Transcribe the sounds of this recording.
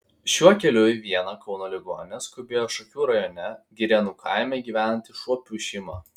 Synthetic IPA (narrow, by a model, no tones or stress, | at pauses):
ʃʲuɔkʲɛlʲʊʋʲiɛnɐkɒʊnoːlʲɪɡo̰ːnʲɛskʊbʲeːjoːʃɔkʲuːɾɐjoːnʲɛɡʲɪɾʲɛnuːkʰɑˑɪmʲɛɡʲiːʋʲæːˑnɐnʲt̪ʲɪʃuɔpʲuːʃʲiɪmɑ̰ː